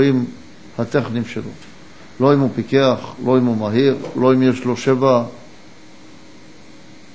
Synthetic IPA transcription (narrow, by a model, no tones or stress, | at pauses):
im | hat̪eχnimʃelo̞̰ | lo̞imupikeaχlo̞imumaɦiʁlo̞imjeʃlo̞ʃeva